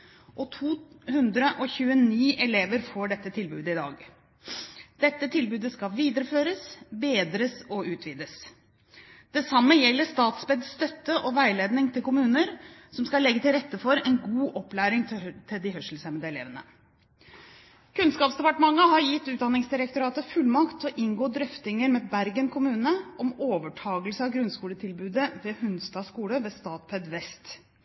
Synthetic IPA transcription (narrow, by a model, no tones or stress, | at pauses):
ʔɔt̪ʰuːhʉnd̪ɾəʔɔçʉːəniːʔɛleːʋəɾfoːɖɛt̪ːət̪ʰɪlbʉːd̪əɪd̪ɑ̰ːɡ | d̪̥ɛt̪ːət̪ʰɪlbʉːd̪əskɑʋiːd̪əɾəføːɾəsbeːd̪ɾəsɔʉːt̪ʰʋiːd̪əs | d̪̥ɛsɑmːəjɛlːəʂt̪ɑːt̪sbɛd̪sst̪œt̪ːəʔɔʋæɪleːd̪nɪŋt̪ʰɪlkʊmʉːnəɾsɔmskɑlːɛɡːət̪ɪlɾɛt̪ːəfɔɾɛnɡuːʔɔplæːɾɪŋt̪ʰɪld̪ɪhœʂl̩sɛməd̪əɛlḛːʋənə̰ | kʰʉnskɑːpsd̪ɛpɑʈəmɑŋːəɦɑɾjɪt̪ːʉːd̪ɑnɪŋsd̪ɪɾək̚t̪ʊɾɑːt̪əfʉlmɑkt̪ʰɔʔɪŋɡoːd̪ɾʏft̪ɪŋəɾmɛbæɾɡənkʰʊmʉːnəʔɔmoːʋəʈʰɑːɡəlsəɑʋɡɾʉnskuːlət̪ʰɪlbʉːd̪əʋeːhʉnst̪ɑːskuːləʋeːst̪ɑːt̪pʰɛd̪ʋɛst̪